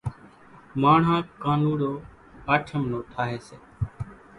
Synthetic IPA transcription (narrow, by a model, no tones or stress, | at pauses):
maːɳ̤ãːkaːnũːɽoː | aːʈʰəmnoːʈ̪ʰaːɦeːseː